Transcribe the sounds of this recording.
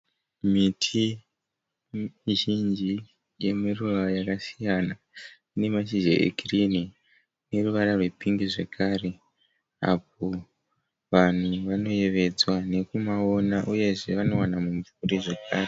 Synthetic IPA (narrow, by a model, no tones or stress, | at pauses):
mitʰi | ʒind͡ʒi | je̞miruʋajakasijana | ine̞maʃiʒḛʔḛɡʱirini | ne̞ruʋaɾarwe̞piŋɡiʐe̞kʰaːre̞ | a̰p̚o̞ | ʋan̤uʋano̞je̞ʋe̞d͡zwane̞kumaonaʔuje̞ʐe̞ʋano̞wanamuɱfuɾiʐekaːre